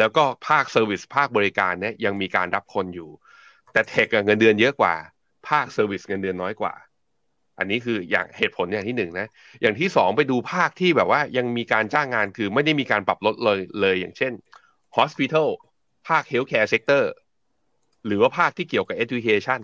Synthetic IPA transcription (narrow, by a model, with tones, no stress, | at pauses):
lɛː˦˥wkɔː˥˩pʰaː˥˩k̚sɤː˧wi˨˩spʰaː˥˩k̚bɔː˧ɾi˧ka̰ː˧nːi˥˩ɐja˧ŋmiː˧kaː˧nɾa˦˥p̚kʰo˧njuː˨˩ | t̪ɛː˨˩t̪ʰe˨˩k̚ʔa˨˩ŋɤ˧ndɯ˧ənjɤ˦˥ʔkwa̰ː˨˩ | pʰaː˥˩k̚sɤː˧wi˨˩sŋɤ˧ndɯ˧ənːɔː˦˥jkwa̰ː˨˩ | ʔa̰˧nːiː˦˥kʰɯː˧ja̰ː˨˩ŋheː˨˩t̪̚pʰo˩˦njaː˨˩ŋt̪ʰiː˥˩nɯ˨˩ŋna˦˥ | jaː˨˩ŋt̪ʰiː˥˩sɔː˩˦ŋpa˧jduː˧pʰaː˥˩k̚t̪ʰiː˥˩bɛː˨˩p̚waː˥˩ja˧ŋmiː˧kaː˧nt͡ɕaː˥˩ŋːaː˧nkʰɯː˧ma˥˩jda˥˩jmiː˧kaː˧npɾa˨˩p̚lo˦˥t̪̚lɤː˧jlɤː˧jːaː˨˩ŋt͡ɕʰe˥˩n | hɔː˦˥spi˧t̪ʰa˥˩w | pʰaː˥˩k̚he˦˥wkʰɛː˧se˦˥k̚t̪ɤː˥˩ | ɾɯː˩˦waː˥˩pʰaː˥˩k̚t̪ʰiː˥˩ki˨˩əwka˨˩p̚ʔe˦t̪wi˧kʰeː˧t͡ɕʰa˥˩n